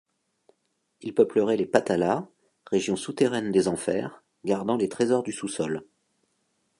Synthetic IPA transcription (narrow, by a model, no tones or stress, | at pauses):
ilpœpləʁɛlepat̪ala | ʁeʒjɔ̃sut̪eʁɛnd̪ezɑ̃fɛ̰ʁ | ɡaʁd̪ɑ̃let̪χezɔʁd̪ysusɔl